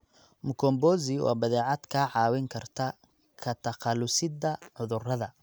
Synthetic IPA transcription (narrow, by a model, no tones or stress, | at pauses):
mʊkʰɔmbɔːz̬ɪwʔɑ̰ːbɐðɛːʕɑd̪kʰaːʕɑːwɪŋkʰɐrt̪ʰɐ | kʰɐt̪ʰɐqɑlʊsɪd̪ɐʕʊðʊrɐðɐ